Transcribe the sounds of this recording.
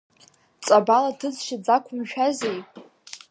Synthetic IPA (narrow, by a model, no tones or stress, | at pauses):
t͡sʼabalatʰɨd͡zʃad͡zakʷʰʊmʃᶣazejʼ